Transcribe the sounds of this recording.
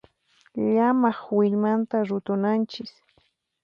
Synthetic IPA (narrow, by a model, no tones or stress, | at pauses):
ʎamaχwɪʎmant̪aɾʊt̪ʊnant͡ʃɪk